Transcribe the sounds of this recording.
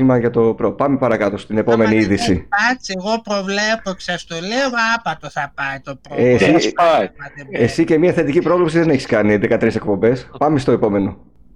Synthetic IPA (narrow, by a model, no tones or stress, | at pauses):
imɐʝɐt̪o̞pɾopɐmepɐɾɐkɐt̪o̞st̪ine̞po̞me̞niiðisiɐt͡sieɣo̞pɾo̞vlepokʲsɐst̪oleoɐpɐt̪oθɐpɐjt̪opɾsiɐeesice̞miɐθe̞t̪icipɾo̞vlipsiðe̞ne̞çiskɐniðe̞kɐt̪ɾise̞k̚po̞mbe̞spɐmest̪o̞e̞po̞me̞no̞